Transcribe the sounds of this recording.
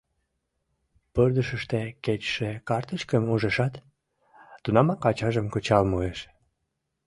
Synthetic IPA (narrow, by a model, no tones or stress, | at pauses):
pørd̪əʃəʃt̪eket͡ɕʃekɑrt̪ət͡ɕkəmuʒeʃɑt̪ː | unɑmɑkɑt͡ɕɑʒəmkot͡ɕɑlmueʃ